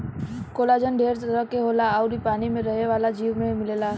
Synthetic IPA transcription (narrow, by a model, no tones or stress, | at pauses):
koːlaːd͡ʒənɖʱeːɾtəɾəkːeɦoːlaaʊɾipaːnimẽɾɐɦeʋaːlad͡ʒiːʋmẽmɪleːlaː